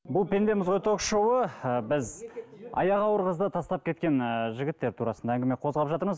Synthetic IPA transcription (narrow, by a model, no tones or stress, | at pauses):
bʊlˠpʰʲe̞nd̪e̞mɪzʁojt̪ʰo̞kʃowəbɪzɑ̰jɑʁɑwəɾʁəzd̪ət̪ʰɑst̪ɑp̚kʲʰe̞t̪kʲe̞nʒɪɡʲɪt̪ːe̞ɾt̪ʰuɾɑsənd̪ɑæŋɡʲɪme̞qʰo̞zʁɑpʒɑt̪əɾməz